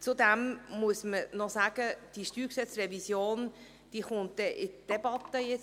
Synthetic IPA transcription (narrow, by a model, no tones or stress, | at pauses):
t͡sud̪æmmuəsmənɔsæːɡ̥əd̥iʃtyːɾksɛt͡srɛvisjoːn | d̥iːχʊnt̚d̥ɛʔɪtd̥ɛb̥ɑt̪əjet͡s